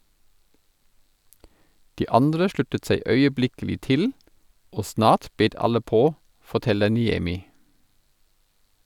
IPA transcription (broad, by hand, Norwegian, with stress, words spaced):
ˈdiː ˈɑndɾə ˈʃlʉtət ˈsæɪ œʏəˈblɪkl̩ɪ ˈtɪl ˈoː ˈsnɑːt ˈbeːt ˈɑlə ˈpoː fɔˈtɛlə nɪˈɛmɪ